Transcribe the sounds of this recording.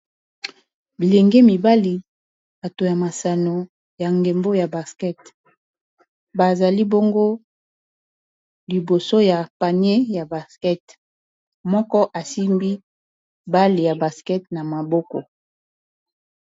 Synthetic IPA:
bi˨le˨ŋɡe˦mi˨ba˦li˨ | ba˨to˨ja˨ma˨sa˨no˨ | ja˨ŋɡe˨mbo˦ja˨ba˨skɛ˦t | ba˨za˨li˦bo˦ŋɡo˦ | li˨bo˨so˦ja˨pa˨ɲe˦ja˨ba˨skɛ˦t | mɔ˦kɔ˦ʔa˨si˦mbi˦ | ba˦li˨ja˨ba˨skɛ˦tna˨ma˨bɔ˦kɔ˨

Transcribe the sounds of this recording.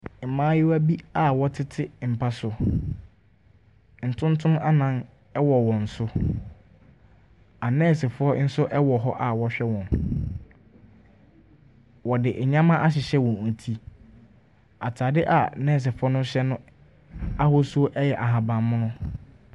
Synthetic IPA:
m̩˨mãː˦jɪ˦wæ˦bi˦a˨wɔ˦tʰɪ˦tʰɪ˦m̩˨pʰa˦sʊ˨ | n̩˨tʰʊ̃˦n˦tʰʊ̃˦ma˦nã˦n | ɛ˦wɔ˨wɔ̃˨n̩˨sʊ˦ | a˨nɛ̃ː˦˨sɪ˨fʊ˨˦ɔ˦n̩˦sʊ˦ʔɛ˦wɔ˨ɦɔ˦ʔa˨wɔ˦ɕᶣɛ˦wɔ̃˨n | wɔ˨dɪ˨ʔɲã˦mã˦ʔa˦ɕ̬ɪ˨ɕɛ˦wɔ̃˨n˨n̩˨tʰi˦ | a˨tʰaː˨dɪ˦ʔa˨nɛ̃ː˦˨s̬ɪ˨fʊ˦ɔ˦nʊ̃˦ɕɛ˦nʊ̃˦ | a˦hʊ˦su˦o˦ʔɛ˦jɛ˨ʔa˨ɦã˨bã˨mmʊ̃˦nʊ̃˦

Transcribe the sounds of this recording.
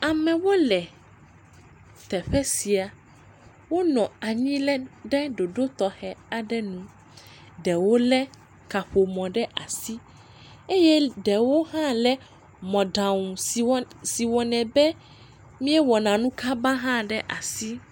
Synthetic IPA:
a˨mɛ̃˨wo˦lɛ˨ | t̪ɛ˨ɸɛ˦si˨a˨ | wo˦nɔ̃˨a˨ɲĩ˦lɛ˦ɖɛ˦ɖo˨ɖo˦t̪ɔ˨hɛ˦a˨ɖɛ˦nũ˦ | ɖɛ˨wo˦lɛ˦ | ka˨ɸo˨mɔ̃˨ɖɛ˦ʔa˨si˦ | e˦jɛ˦ɖɛ˨wo˦ɦã˦lɛ˦ | mɔ̃˨ɖã˨ŋũ˨˦si˨wɔ˨nɛ̃˨bɛ˦ | mĩ˦ɛ˦wɔ˨nã˨nũ˦kʰa˦ba˦ɦã˦ɖɛ˦ʔa˨si˦

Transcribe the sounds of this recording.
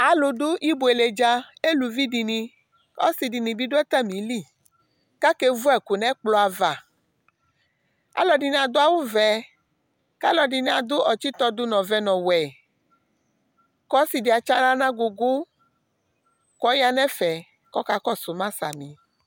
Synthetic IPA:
a˨lo˨ɖo˦ʔi˦bo˨e˨le˨d͡ʒa˦e˦lu˨vi˦di˨nĩ˧ | ɔ˦si˨di˨nĩ˨bi˦do˦ɛ˦t̪a˦mĩ˨li˦˨ | ka˦ke˦vu˦ɛ˨ko˨nɛ̃˦k͡plɔ˦a˨va˨ | a̰˦lɔ˨ɖi˨n˨a˨d̪o˦a˦wo˦vɛ˨ | ka˦lɔ˨ɖi˨n˦a˨d̪o˦ɔ˨t͡ʃi˦t̪ɔ˦d̪o˦nɔ̃˨vɛ˦nɔ̃˨wɛ˨ | kɔ˦si˨di˨a˨t͡ʃa˦nã˦nã˦ɡo˨ɡo˦ | kɔ˦ja˦nɛ̃˦fɛ˨ | kɔ˦ka˦kɔ˦so˨mã˦sa̰˨mĩ˨

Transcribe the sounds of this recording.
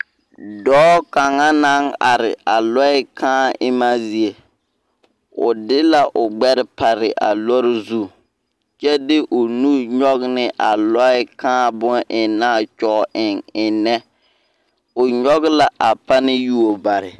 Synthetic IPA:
dɔː˦ka˨ŋa˦na˦ŋa˨ɾɪ˨ʔa˨lɔ˦ɪ˦kʰãː˦ʔɪ˦ma˦zi˦e˨ | ʊ˨dɪ˦la˦ʔʊ˨ɡ͡bɛ˦ɾɪ˦pa˨ɾɪ˨ʔa̰˨lɔ˦ɾɪ˦zu˦˨ | t͡ʃɛ˦dɪ˦ʔʊ˨nu˦ɲɔ˦ɣnɪ˦ʔa˨lɔ˦ɪ˦kãː˦bʊ˦nʔɪ˨naː˦˨t͡ʃɔː˦˨ɪ˨ŋɪ˨nɛ˦ | ʊ˨ɲɔ˦ɣla˨ʔa˨pa˦nɪ˦ju˦o˨ba˨ɾɪ˨

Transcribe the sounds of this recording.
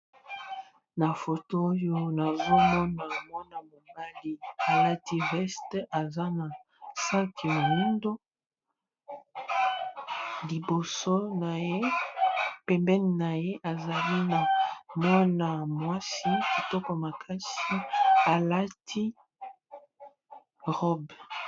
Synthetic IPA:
na˨fo˨to˦jo˦na˨zo˦mɔ˦na˨mwa˦na˨mo˨ba˦li˦a˨la˦ti˦ʁɛ˦stʔa˨za˦na˨ | sa˦kʰi˨mo˨nu˦ndo˦ | li˨bo˨so˦na˨je˦ | pɛ˨mbɛ˦n˨na˨je˦ʔa˨za˨li˦na˨mwɔ˦na˨mwa˦si˦ki˨tɔ˦kɔ˨ma˨kʰa˦si˦a˨la˦tʰi˦ | ʁɔ˦b

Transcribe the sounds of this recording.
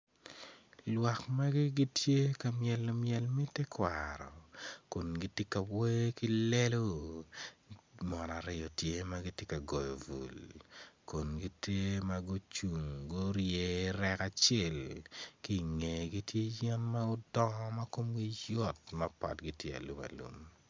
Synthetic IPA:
lwa˨kma˦ɡɪ˦ɡi˦tʰje˦ka˨mjɛ˨lːo˨mjɛ˨lmɛ˦te˦kwaɾɔ̰˨ko˨nɡi˨ti˦ka˨wwe˦ki˦le˦lo˦ | mɔ˨na˨ɾɪ˦˨ɔ˨tje˦ma˦ɡɪ˦te˦ka˨ɡɔ˨jɔ˨vṵ˨lko˨nɡi˦te˦ma˦ɡo˦t͡ʃu˨ŋɡo˦ɾje˨ɾɛ˦ka˨t͡ʃɛ˦˨lki˦˨ŋe˨ɡi˦tje˦d͡ʒɛ˦nma˦ʊ˦dɔ˦ŋ˦ma˦ko˦mɡi˦jɔ˦tma˦pa̰˨tɡi˨tje˦a̰˨lu˨ma̰˨lṵ˨m

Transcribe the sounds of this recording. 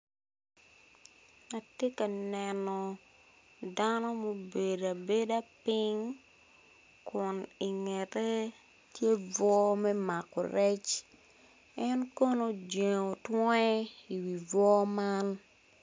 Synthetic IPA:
a˨te˦ka˨nɛ˨nɔ˨ | da˦no˦mo˨be˨da˨be˦da˦pi˦ŋ | kʊ˨ni˨ŋɛ˨te˦ | tje˦vwɔ˦mɛ˦ma˨kɔ̰˨ɾɛ˦t͡ʃ | ɛ˦nko˦no˦d͡ʒe˨o˨twɔ˦ɛ˦i˨wi˨vɔ˦ma˦n

